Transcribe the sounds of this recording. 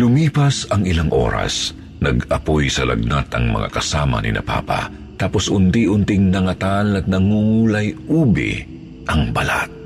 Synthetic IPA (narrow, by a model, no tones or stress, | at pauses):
lʊmiːpɐsɐŋɪlaŋʔo̰ɾa̰s | nɐɡɐpojsɐlʔɐ̰ɡ̚nat̪ɐŋmɐ̰ŋʔa̰kɐsaːmɐ̰nɪ̰nɐ̰pa̰ːpa̰ | t̪aːposʊnt̪iʔʊnt̪ɪŋnɐŋɐt̪alɐt̪̚nɐŋuŋulɐjʔuːbɪ̰ | ʔɐŋbɐla̰t̪̚